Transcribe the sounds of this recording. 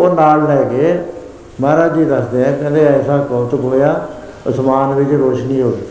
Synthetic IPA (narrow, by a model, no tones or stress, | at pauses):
oːnaːlːɛːɡeː | maːɾaːd͡ʒiːd̪əsd̪eːɦɛ̃ːkə̃nd̪eːɛːsaːkɔːt̪əkɦoːjaː | ʊsmaːnʋɪt͡ʃɾoːʃnĩːɦoːiː